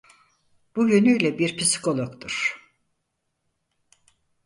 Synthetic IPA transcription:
b̥ujønyjlʲɛbiɾpʰisi̥kʰo̞lˠokt̪ʰuɾ̥

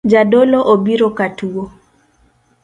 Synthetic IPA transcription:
d͡ʒadoloʔobiɾokatuo

